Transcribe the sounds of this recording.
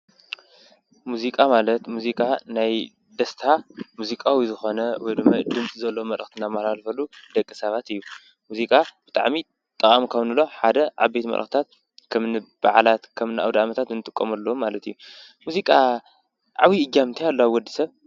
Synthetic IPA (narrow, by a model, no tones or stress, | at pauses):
muzikʼamalɐt̪muzikʼanaj | d̪ɐst̪ʰamuzikʼawizɨxo̞nɐwɔjd̪ɨmːajd̪ɨmt͡sʼzɐlːomɐlʔɐxt̪ʰinamalalfɐlud̪ɐkʼːisɐβat̪ɨjːu | muzikʼab̥ɨt̪ʼa̰ʕmi | t̪ʼɐkʼamikʰɐwnɨloħad̪ɐʕa̰bet̪mɐ̰lʔɐ̰xt̪t̪ʰat̪̚ | kʰɐmnɨb̥aʕlat̪kʰɐmnɨʔa̰wd̪amɐt̪ʰat̪ɨnɨt̪ʼɨkʼːɐmɐlːɐwumalɐt̪ʰijːu | muzikʼa | ʕa̰wiɨd͡ʒamɨnt̪ʰijalːoaβwɔd̪ːisɐβ